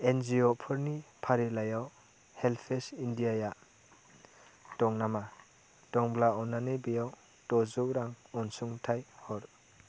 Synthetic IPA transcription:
enziɔpʰɯɾnipʰaɾilajaw | helpʰesindiaja | tɔŋnama | tɔŋblaɔnanebijaw | tɔzɔwɾaŋɔnsuŋtʰajhɔɾ

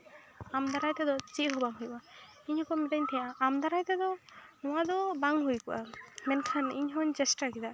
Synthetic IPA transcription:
amd̪aɾajt̪ɛd̪ɔt͡ʃiʔɦɔbaŋɦujba | iɲhɔkamiʈaɲt̪ʰijaʔːmd̪aɾajt̪ɛd̪ɔnɔwad̪ɔbaŋɦujkuʔamɛnkʰaniɲɦɔɲd͡ʒɛsʈakid̪a

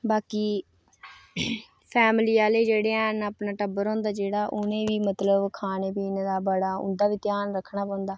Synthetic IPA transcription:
baːkiː | pʰɛːmliːaːleiːd͡ʒeːɽeːaːnəpnaːʈəbəɾɔ̃ːnd̪aːd͡ʒeːɽaːʔʊnẽːʋiːmət̪ləbkʰaːneːpiːneːd̪aːbəɽaːʊ̰nd̪aːʋiːt̪jaːnɾəkʰːɳaːpɔ̃ːnd̪aː

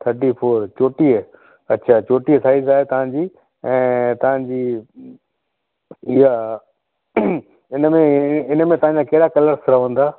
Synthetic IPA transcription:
t̪ʰəɾʈifʰoːɾt͡ɕoːʈiə | ɐtːt͡ɕʰaːt͡ɕoːʈiəsaːɪzaːɦet̪ɐʋ̤ãɲd͡ʑiː | ɛ̃ːt̪ɐʋ̤ãɲd͡ʑiː | ɪɦa | ɪnmẽɪnmẽt̪ɐʋ̤ãɲd͡ʑaːkɐɦɪɽakɐləɾsɾɐʋə̃nd̪aː

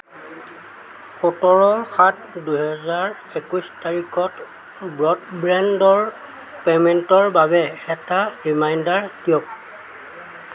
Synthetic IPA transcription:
xotɔɹɔɹxat | dujɦɛzaɹ | ekustaɹikʰɔt | bɹɔtbɹɛndɔɹ | pemɛntɔɹbabɛɛtaɹimajndaɹkiɔk̚

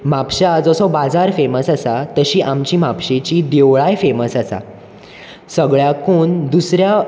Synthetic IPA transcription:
mapɕaːd͡zɔsɔbad͡zaɾfeməsasat̪əɕiːʔamt͡ɕiːmapɕet͡ɕiːd̪eʋɭajfeməsasa̰ | səɡɭjakoːnd̪usɾja

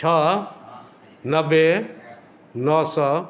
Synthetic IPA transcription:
ʈʰa | nɐbe | nɔːsɔ

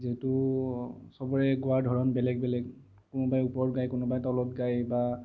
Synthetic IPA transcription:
zɛtʊ | sɔbɔɹɛɡʊaɹdʱɔɹɔnbɛlɛɡbɛlɛɡ | kʊnɔbajupɔɹɡajkʊnɔbajtɔlɔtɡajba

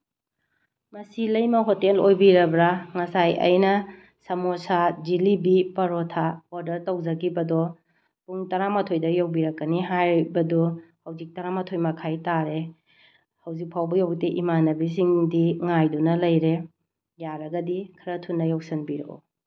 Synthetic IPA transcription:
mɐsilɐjmɐɦotelojbiɾɐbɾaŋɐsajɐ̰jnɐ | sɐmosad͡ʒilibipɐɾotʰaoɾdɐɾtɐwd͡ʒɐɡibɐdɔ | puŋtɐɾamɐtʰojdɐjawbiɾɐkːɐniɦajbɐdɔhɐwzik̚tɐɾamɐtʰojmɐkʰajtaɾe | hɐwzik̚pʰawbɐjawteʔimanɐbis̬iŋdiŋajdunɐlɐjɾe | jaɾɐɡɐdikʰɐɾɐtʰunːɐjawsɐnbiɾɐko̰

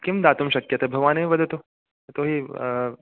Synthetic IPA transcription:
kɪmd̪aːt̪umʃɐkjɐt̪ʰebʱɐɡʋaːneʋɐd̪ʱɐt̪u | t̪oɦi

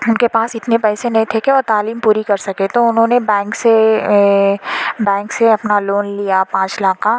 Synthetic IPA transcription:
ʊnkepaːsɪt̪nepɛːsenɐɦĩt̪ʰekeoːt̪aːliːmpuːɾikɐɾsɐket̪oʊnɦõnebɛ̃ːŋkse | bɛ̃ːŋkseɐpnaloːnlijapãːt͡ʃlaːqa

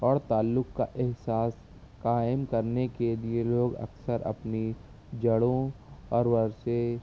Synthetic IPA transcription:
ɔːɾt̪aːlːʊkka̰ʔɪɦsaːs | kaːɪmkɐɾnekelieloːɡɐ̰ksəɾɐ̰pni | d͡ʒɐɽõɔːɾʋɐɾse

